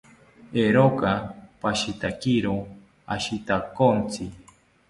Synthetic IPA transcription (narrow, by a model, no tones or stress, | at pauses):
eɾokapaʃit̪akiɾo | a̰ʃit̪akont͡si